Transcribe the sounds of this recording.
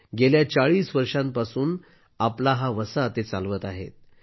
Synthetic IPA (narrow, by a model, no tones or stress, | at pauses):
ɡeljat͡saɭiːsʋəɾʂãmpasuːn | aplaɦaʋəsat̪et͡salʋət̪aɦḛt̪̚